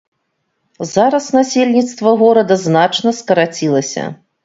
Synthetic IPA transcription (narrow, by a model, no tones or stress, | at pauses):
zaɾɐsnasʲelʲnʲit̪st̪vɐɣɔɾɐd̪ɐznat͡ʂnɐskɐɾat͡sʲilˠɐsʲɐ̰